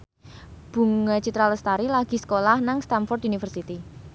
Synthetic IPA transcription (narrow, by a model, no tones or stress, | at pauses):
b̥ṳŋat͡ʃit̪ɾaləst̪aɾilaɡ̥i̤sə̥kolahnaŋst̪amfɔrt̪unifərsit̪i